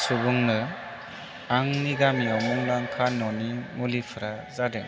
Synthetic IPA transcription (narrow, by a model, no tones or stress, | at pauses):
subuŋnɯ | aŋniɡamiɔwmuŋlaŋkʰanːɔnimulipʰɯɾazadeŋ